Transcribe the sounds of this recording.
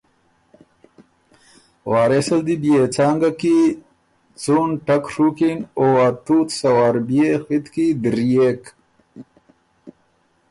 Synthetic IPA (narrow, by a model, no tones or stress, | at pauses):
waːɾesɐld̪ibijeːt͡saːŋɡaki | t͡sunʈɐkʂukinowaːt̪uːt̪sɐwaːɾbijexit̪kid̪iɾijeːk